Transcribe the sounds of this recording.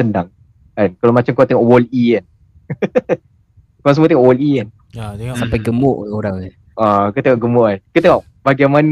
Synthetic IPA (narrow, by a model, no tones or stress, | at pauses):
əndaŋ | ankalowmat͡ʃamkuat̪ɛŋɔʔwɔlian | koas̬əmuot̪eŋɔʔwɔlian | at̪ɛŋɔʔsampajɡəmʊʔoɾaŋa | akut̪eŋɔʔɡəmʊʔankut̪eŋɔʔ | b̥aɡaman